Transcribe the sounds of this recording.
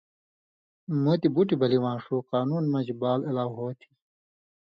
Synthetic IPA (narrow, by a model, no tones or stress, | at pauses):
mut̪ibuʈibɐliwãːnʂuqaːnuːnmɐ̃d͡ʑibaːlelaːwɦoːt̪ʰi̥